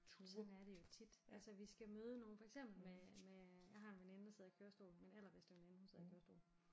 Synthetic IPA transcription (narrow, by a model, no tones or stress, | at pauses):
sɒ̽næɐɾ̥e̝jo̝t͡sʰid̥ʔælsəʋisɡ̥æmøːð̞ˠəno̝ːn̩fɒ̽eɡ̥sem̰b̥l̩memejɑ̈ɪɦɑ̈e̝nʋenend̥ɑseð̞̰ˠikʰøːɐsd̥o̝̰ːlmenel̰ɐʋe̝sd̥eʋenenhunseð̞̰ˠikøɐsd̥o̝̰